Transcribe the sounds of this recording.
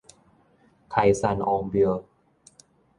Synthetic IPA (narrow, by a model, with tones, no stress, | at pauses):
kʰa˧jsa˧nʔɔː˧mbi˧